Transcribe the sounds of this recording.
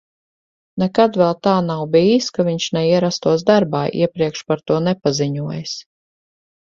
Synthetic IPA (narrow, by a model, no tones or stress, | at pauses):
nɛkad̪vɛlˠt̪aːnawbiːskaviɲʃnɛiɛɾast̪uɔsd̪aɾbaːʔḭɛpɾiɛkʃpaɾt̪uɔnɛpaziɲuɔjs